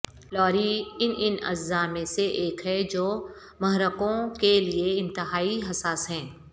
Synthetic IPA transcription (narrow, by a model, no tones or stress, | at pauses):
lɔːɾiɪnʔɪnɐ̰d͡ʒzamẽseʔeːkɦɛd͡ʒoː | mɐɦɾəkõkelieɪ̃nt̪ɪɦaːiɦɐsaːsɦɛ̃ː